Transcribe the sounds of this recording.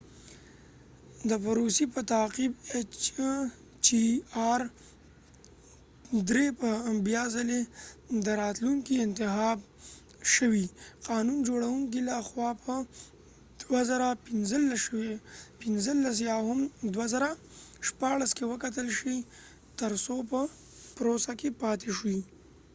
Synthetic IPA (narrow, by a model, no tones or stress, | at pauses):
d̪əfaɾosipət̪aqibet͡ʃ | t͡ʃiɑɾ | d̪ɾepəbjɑzaled̪əɾɑt̪luŋkiɪnt̪ɪxɑb̚ | ʃəwiqɑnund͡ʒoɽawuŋkilaxwɑpʰə | d̪̥wazaɾapɪnzəlːaʃwepɪnzəlːas̬jɑɦʊmd̪wazaɾa | ʃpɑɽaskewəkat̪əlʃi | t̪əɾsopə | pɾosakepɑt̪ʰeʃwi